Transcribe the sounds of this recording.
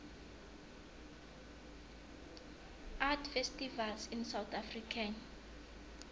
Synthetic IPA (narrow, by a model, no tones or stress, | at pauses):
ʔatfɛstivalsĩnsawt̪ʰafrikʰan